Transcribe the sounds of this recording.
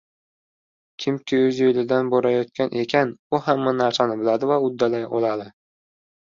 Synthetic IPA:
kʲʰɪmkʲʰɪɵzjojlɪd̪anboɾajɒt̪̚kʲanʔe̞kʲʰanʊhamːanaɾsanɪbɪlad̪ɪvaʊd̪ːalajɒlˠad̪ɪ

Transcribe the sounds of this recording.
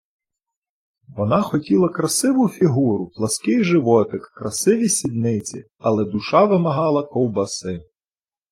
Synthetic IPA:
ʋɔnɑxɔtʲilˠɐkɾɐsɪʋʊfʲiɦuɾʊplˠɐskɪjʒɪʋɔt̪ɪkːɾɐsɪʋʲisʲid̪nɪt͡sʲḭ | ɐlˠɛd̪ʊʃɑʋɪmɐɦɑlˠɐkɔwbɐsɪ

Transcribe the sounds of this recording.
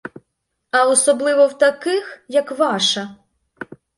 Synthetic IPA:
ɐɔsɔblˠɪʋɔwt̪ɐkɪxjɐkʋɑʃɐ

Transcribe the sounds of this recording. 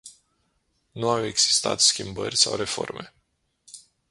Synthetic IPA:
nuawe̞ɡz̥i̥st̪at̪skʲimbərʲsawre̞fo̞̰rme̞

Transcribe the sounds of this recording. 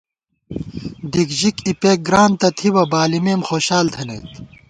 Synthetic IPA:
d̪ikʑikipeːk̚ɡɾaːnt̪ɐt̪ʰiwɐbaːlimeːmxoːɕaːlt̪ʰɐnḛt̪

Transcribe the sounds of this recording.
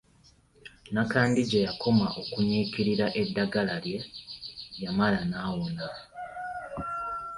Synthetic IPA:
nakaːndiɟejakʰo̞maʔo̞kuɲiːkiɾiɾaʔe̞dːaɡalalje̞ | jamalanaːwona

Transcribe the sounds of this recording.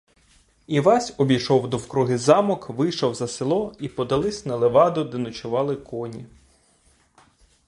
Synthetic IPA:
iʋɑsʲɔbʲijʃɔwd̪ɔwkɾuɦɪzɑmɔkʋɪjʃɔwzɐselˠɔipɔd̪ɐlˠɪsʲnɐlˠeʋɑd̪ʊd̪ɛnʊt͡ʃʊʋɑlˠɪkɔnʲi

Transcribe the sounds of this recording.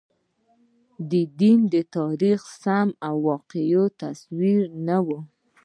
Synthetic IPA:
d̪əd̪ind̪ət̪ɑɾixsamawːɑqejot̪aswiɾnawu

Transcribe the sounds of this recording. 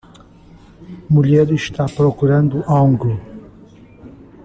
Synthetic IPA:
muʎɛɾiʃt̪apɾokuɾɐ̃nd̪uʔaw̃ŋɡlu

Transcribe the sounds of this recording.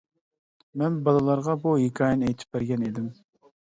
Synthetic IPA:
mɛnbɑlˠɨlˠɑɾʁɑbuɦekʲʰɑːjɛnɛjt̪ʰɪ̥p̚bæɾɡʲɛned̪ɪm

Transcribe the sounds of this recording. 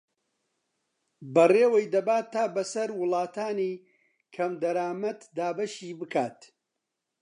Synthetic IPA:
bɐreːwɐjd̪ɐbaːt̪ʰːaːbɐsɐɾwʊlˠɑːt̪ʰaːniː | kʰɐmd̪ɐɾaːmɐt̪d̪aːbɐʃiːbɨkʰaːt̪

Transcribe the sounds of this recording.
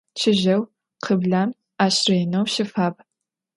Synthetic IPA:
t͡ʃʰɪʑɐw | qʰəbɮaːm | aːɕrejnɐwɕɪfaːb

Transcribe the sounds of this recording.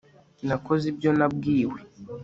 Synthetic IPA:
nakɔzibjɔlab̚ɡiwi

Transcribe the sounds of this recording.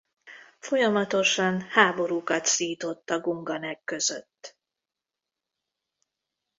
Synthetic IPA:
fo̞jɒmɒt̪o̞ʃɒnhaːbo̞ɾuːkɒt̪siːt̪o̞t̪ːɒɡuŋɡɒnɛkːø̞zøt̪ː

